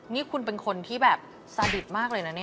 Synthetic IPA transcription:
niː˦˥kʰu˧npe˧nkʰo˧nt̪ʰiː˥˩bɛː˨˩p̚ | sa˧di˨˩t̪̚maː˥˩k̚lɤː˧jna˦˥ni˦˥˩

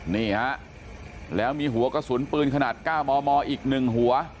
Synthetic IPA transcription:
niː˥˩ha˦˥ʔ | lɛː˦˥wmiː˧ɦu˩˦ɐkɔ˥˩su˩˦npɯː˧nkʰa˧naː˨˩t̪̚kaː˥˩wmɔː˧mɔː˧ʔiː˨˩k̚nɯ˨˩ŋɦu˩˦ɐ

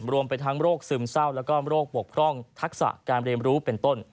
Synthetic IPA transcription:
ɾu˧əmpa˧jt̪ʰa˦˥ŋɾoː˥˩k̚sɯ˧msa˥˩wlɛ˦˥wkɔː˥˩ɾoː˥˩k̚bu˨˩ək̚kʰɾɔ˥˩ŋt̪ʰa˦˥k̚sa̰˨˩ʔkaː˧nɾi˧əmɾuː˦˥pe˧nt̪o˥˩n

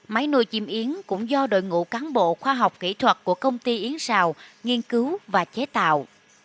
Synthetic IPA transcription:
ma˨˦jnṵ˧˩əjt͡ɕḭ˨˩mʔi˨˦ənkʊ̰˧˥ŋ͡mzɔ˧ɗo̰˧˨jŋṵ˧˨kaː˨˦nɓo̰˧˨xwaː˧ɦa˨˩wk͡p̚kḭ˧˥t̪ʰwə˨˩t̚ku˧˩əkə˧wŋ͡mt̪i˧ʔi˨˦ənsaː˧˩˨wŋi˧ənkɨ˨˦wvaː˨˩t͡ɕe˨˦t̪a̰ː˧˨w

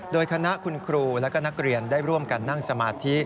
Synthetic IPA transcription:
doː˧jkʰa˧na˦˥ʔkʰu˧nkʰɾuː˧lɛː˦˥kɔː˥˩na˦˥k̚ɾi˧˩əndaː˥˩jɾu˥˩əmka˧nːa˥˩ŋsa˧maː˧t̪ʰi˦˥ʔ

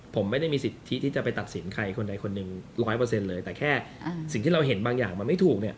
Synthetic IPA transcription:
pʰo˩˦mːa˥˩jda˥˩jmiː˧si˨˩t̪ʰːi˦˥t̪ʰi˥˩t͡ɕa˨˩pa˧jt̪a˨˩t̪̚si˩˦nkʰa˧jkʰo˧nda˧jkʰo˧nːɯ˨˩ŋɾɔː˦˥jpɤː˧se˧nlɤː˧jt̪ɛː˨˩kʰɛː˥˩si˨˩ŋʰiː˥ɾa˧wɦe˩˦nbaː˧ŋjaː˨˩k̚ma˧nma˥˩jt̪ʰuː˨˩k̚ni˥˩ɐ

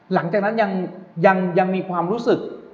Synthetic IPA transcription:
la˩˦ŋt͡ɕaː˨˩k̚na˦˥nja˧ŋja˧ŋja˧ŋmiː˧kʰwaː˧mɾuː˦˥sɯ˨˩k̚

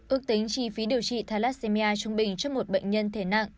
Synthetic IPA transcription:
ʔɨ˦˥ək̚t̪ï˨˦ŋ̟t͡ɕi˧˩fi˨˦ɗi˨˩əwt͡ɕḭ˧˨t̪ʰaː˧laː˦˥t̚se˧mi˧ʔaː˧t͡ɕʊ˧ŋ͡mɓï˨˩ŋ̟t͡ɕɔ˧˦ŋ͡mmo˨˩t̚ɓə̰˧˨jŋ̟ɲə˧nt̪ʰe˧˩na̰˧˨ŋʔ

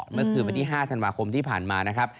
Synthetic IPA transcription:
mɯ˥˩ɐkʰɯː˧nwa˧nt̪ʰiː˥˩ɦaː˥˩t̪ʰa˧nwaː˧kʰo˧mt̪ʰiː˥˩pʰaː˨˩nmaː˧na˦˥kʰɾa˦˥p̚

